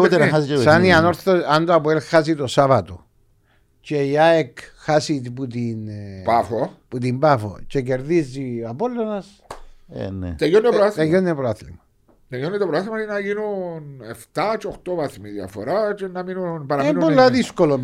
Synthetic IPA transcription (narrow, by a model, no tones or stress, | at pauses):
ot̪enaxasit͡ʃesaniano̞ɾθoand̪oap̬uelxas̬it̪osavɐt̪o̰ | t͡ʃeiaekxasit̪iput̪inpafoput̪̬imbafo̰t͡ʃeceɾðizːiapolːonɐs | ḛnḛt̪ejonːepɾt̪ejonːepɾoaθlḭmɐ | t̪ejonːit̪opɾoaθimainaʝinuneft̪at͡ʃoxt̪ovaθmiðja̰foɾat͡ʃenːaminunpaɾamenpolːaðiskolo